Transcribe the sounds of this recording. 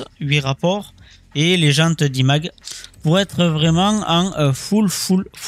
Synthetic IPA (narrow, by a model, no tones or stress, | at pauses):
ɥiʁapɔʁ | eleʒɑ̃t̪əd̪imaɡpuʁɛt̪χəvʁɛmɑ̃ɑ̃øfulfulf